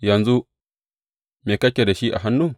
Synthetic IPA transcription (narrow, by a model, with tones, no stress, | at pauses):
jɐ˨nzu˦ | meː˨kɐ˦kʲe˨da˨ʃi˦ʔa̰˨ɦa˦nːuː˦˨